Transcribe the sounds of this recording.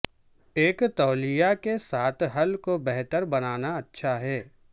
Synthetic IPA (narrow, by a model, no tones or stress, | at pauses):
eːkt̪ɔːlijakesaːt̪ʰɦɐlkobɛɦt̪əɾbɐnaːnaɐtːʃʰaɦɛː